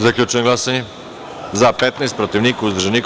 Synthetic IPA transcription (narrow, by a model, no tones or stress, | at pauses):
zɐklʲut͡ʃɛnɡlˠasɛni | zapɛt̪najspɾot̪ivnikuzd̪ɾʒɛnik